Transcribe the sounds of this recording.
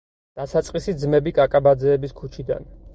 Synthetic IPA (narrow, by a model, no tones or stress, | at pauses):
d̪̥asat̪sʼqʼisid̪zmɛbikʼakʼabad̪zɛːbiskʰut͡ʃʰid̪a̰n